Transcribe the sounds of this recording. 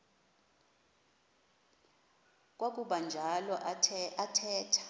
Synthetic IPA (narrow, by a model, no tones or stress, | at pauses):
k̬ʼwak̬ʼuɓand͡ʒʱalɔʔʰatʰɛːtʰḁ